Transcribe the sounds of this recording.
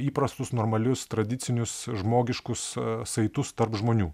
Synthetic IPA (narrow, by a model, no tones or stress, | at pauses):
iːpɾɐst̪ʊsnoːɾmɐlʲʊst̪ɾɐd̪ʲɪsʲɪnʲʊsʒmoːɡʲɪʃkʊssɐɪt̪ʊst̪ɐɾpʒmoːnʲuː